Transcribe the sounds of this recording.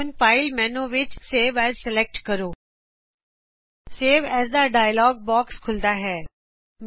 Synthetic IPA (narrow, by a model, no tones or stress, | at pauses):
nfaːɪlmɛːnoʋɪt͡ʃseːʋɛːzsɪlek̚ʈkɐɾoː | seːʋɛːzd̪aɖaːjəlɔːɡ̚bɔːkskʰʊld̪aɦɛː | m